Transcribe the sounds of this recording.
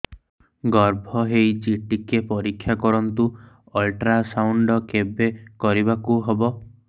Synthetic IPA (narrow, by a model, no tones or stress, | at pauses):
ɡɔɾbʱɔɦejt͡ʃiʈikepɔɾikʰːjakɔɾɔnt̪u | ɔlʈɾasawɳɖɔkebekɔɾibakuɦebɔ